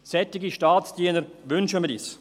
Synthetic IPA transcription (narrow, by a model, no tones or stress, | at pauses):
sɛt̪ɪɡiʃtaːtt͡sd̥iənəɾʋʏnʃəmidḭːs